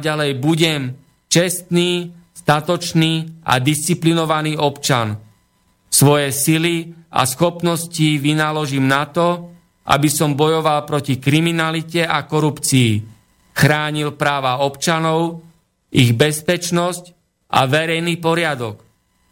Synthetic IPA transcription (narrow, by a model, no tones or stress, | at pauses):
ɟalɛjbuɟɛm | t͡ʃɛst̪niːst̪at̪ɔt͡ʃniːʔa̰d̪ist͡siplinɔʋaniːɔpt͡ʃan | sʋɔjɛsilia̰sxɔpnɔsciʋinalɔʒimnat̪ɔ | ʔa̰bisɔmbɔjɔʋalpɾɔcikɾiminalicɛakɔɾupt͡siː | xɾaːɲilpɾaːʋaɔpt͡ʃanɔʊ | iɣbɛspɛt͡ʃnɔsc | ʔa̰ʋɛɾɛjniːpɔɾɪad̪ɔk